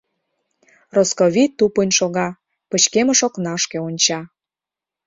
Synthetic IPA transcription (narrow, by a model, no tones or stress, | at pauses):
roskoβit̪ːupənʲʃoɣɑ | pət͡ɕkemə̆ʃoknɑʃkeonʲt͡ɕɑ